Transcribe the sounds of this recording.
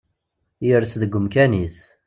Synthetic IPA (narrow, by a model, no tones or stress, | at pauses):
jəɾsðəɡʷːəmkænis